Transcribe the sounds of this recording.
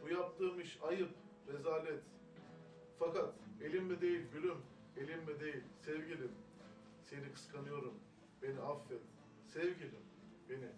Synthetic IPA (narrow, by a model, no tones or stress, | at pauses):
b̥ujap̚t̪ʰɯːmɯʃajɯp | ɾezaːlʲɛt̪ | fakat̪e̞lʲimːid̪e̞jilʲbylʲym | e̞lʲimːid̪e̞jilʲsɛvɟilʲim | se̞nikʰɯ̥skʰanɯjo̞ɾum | be̞niafːɛt̪ | sɛvɟilʲim | b̥e̞ni